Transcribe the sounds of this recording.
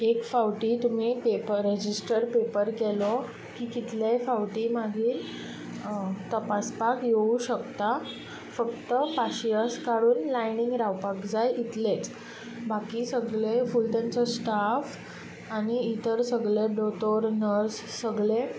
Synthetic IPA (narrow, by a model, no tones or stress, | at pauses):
ekfawʈiːt̪um̤ipepəɾed͡ʑisʈəɾpepəɾkelo | kiːkit̪lafawʈiːmaɡʱiːɾ | t̪əpaspakjeuɕəkt̪a | fəkt̪əpaɕiaskaɽuːnlajniŋɡɾawpakd͡zajʔit̪let͡s | bakiːsəɡɭefulʈ̪ant͡sɔsʈaf | aɽ̃iːt̪əɾsəɡɭebɽot̪oɾnəɾssəɡɭe